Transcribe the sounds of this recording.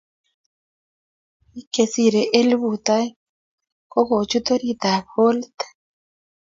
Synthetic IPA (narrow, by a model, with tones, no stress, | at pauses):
i˦ke˨si˨ɾe˨ʔe˦lbu˨t̪a˦j | ko˦ko˨t͡ʃu˦t̪o˦ɾi˦t̪a˨bho˦lt̪